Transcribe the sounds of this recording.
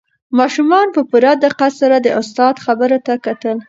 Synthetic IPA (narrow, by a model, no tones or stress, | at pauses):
mɑʃumɑnpəpuɾad̪aqasaɾad̪əʔʊst̪ɑd̪xabəɾot̪akat̪əl